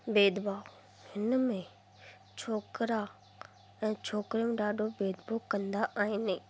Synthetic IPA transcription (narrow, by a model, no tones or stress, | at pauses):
beːd̪baː | hɪnəmẽ | t͡ɕʰoːkɾa | ɛ̃ːt͡ɕʰoːkɾijũɖaːɖʱobeːd̪bokɐ̃nd̪aʔaːɦɪne